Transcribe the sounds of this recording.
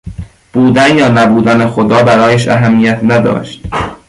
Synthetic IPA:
b̥uːd̪ænjɒːnæbuːd̪ænexod̪ɒːbæɾɒːjæʃʔæ̰ɦæmːijæt̪ʰnæd̪ɒ̰ːʃt̪

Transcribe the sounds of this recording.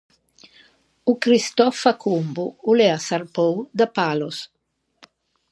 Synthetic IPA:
ukɾist̪ɔfakʰumbuulɛasarpowd̪apalos

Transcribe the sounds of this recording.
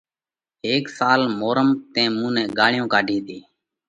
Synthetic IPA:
eːksaːlmoːɾəmt̪ẽːmũːnɛ̃ːɠaːɭɪjõːkaːɖʱĩːt̪iː

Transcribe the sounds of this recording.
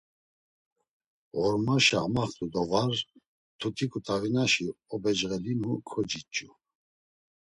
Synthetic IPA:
ʁɔɾmaʃa̰maχt̪ʼud̪ɔvaɾ | t̪ʰut̪ʰikʼut̪ʼavinaʃiɔbɛd͡ʒʁɛlinukʰɔd͡ʒit͡ʃʼːu

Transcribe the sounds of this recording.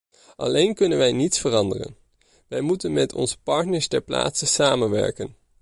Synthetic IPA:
ʔɑ̰lejnkɵnənʋɛjnitsfərɑndərə̰n | ʋɛjmutənmɛtʰɔ̰nzə̥pɑɹtnəɹstɛɹpla̰ːtsəsaːmənʋɛ̰ɹkən

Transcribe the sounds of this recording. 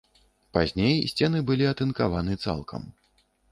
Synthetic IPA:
pazʲnʲejsʲt͡sʲɛnɨbɨlʲiɐt̪ɨnkavanɨt̪sa̰lˠkʰɐ̰m

